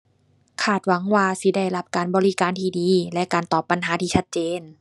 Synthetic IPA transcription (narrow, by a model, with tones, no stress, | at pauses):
kʰaː˧˩t̪̚wa˨˦ŋwaː˧si˧˦da˥˩jla˧˥p̚kaː˨nbɔː˨˧li˦˧kaː˨nt̪ʰiː˧˩diː˨˧˦lɛ˧ʔkaː˨nt̪ɔː˨˩pːa˨nɦaː˨˦t̪ʰiː˧t͡ɕʰa˦˧˥t̪̚t͡ɕeː˨˧˨n